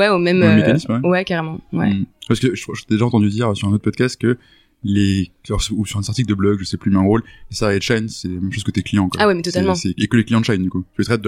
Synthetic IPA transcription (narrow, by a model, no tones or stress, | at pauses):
wɛomɛmmɛmːekanismwɛwɛkaʁemɑ̃wɛ̰wɛpaskəʒt̪ʒt̪ɛd̪eʒaɑ̃t̪ɑ̃d̪yd̪iʁøsyʁɛ̃not̪ʰːpɔd̪kast̪̚kə | lelɔʁsusyʁɛ̃saʁt̪ikld̪əblɔɡʒəsɛplymɛ̃ʁollesaʁɛd̪ʃajnsɛlamɛmʃoz̥kət̪yeklijɑ̃kwaawɛmɛt̪ɔt̪almɑ̃sɛekəleklijɑ̃d̪ʃajnd̪ykut̪yət̪χɛt̪̚d̪